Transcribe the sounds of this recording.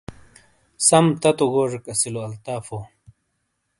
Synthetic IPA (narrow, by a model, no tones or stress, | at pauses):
sɐmt̪ɐt̪oɡoːʐekɐsiloɐlt̪aːfo